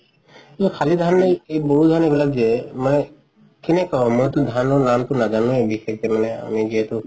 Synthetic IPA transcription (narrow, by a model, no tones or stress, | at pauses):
kʰalid̪ʱanːejejboɹud̪ʱanebilaɡ̚d͡ʒɛmanɛ | kɛnɛkɔmojt̪ʊd̪ʱanɔɹnamt̪ʊnazanũebixejk̚tɛmanɛa̰miziɦɛt̪ʊ